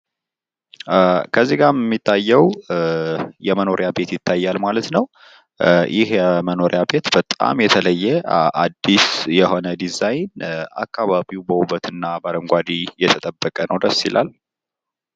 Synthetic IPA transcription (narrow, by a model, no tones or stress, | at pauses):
kʰəzːiɡaɾmːit̪ʰːajːɛw | jɛməno̞ɾjabe̞t̪jɪt̪ʰːajːalmalət̪nəw | jʔɪhjɛməno̞ɾjabe̞t̪b̥ət̪ʼa̰mjɛt̪ʰələjːɛʔa̰d̪ːisjɛɦo̞nəd̪izajnʔa̰kːaβaβiwbəwuβət̪ʰɨnːabaɾəŋɡʷad̪ijɛt̪ʰət̪ʼəbːəkʼənəwd̪əsːilʔa̰l